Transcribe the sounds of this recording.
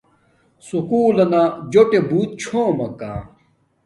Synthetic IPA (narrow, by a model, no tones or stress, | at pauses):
sukuːlɐnad͡ʑoʈebuːt̪̚t͡ɕʰomɐka̰ː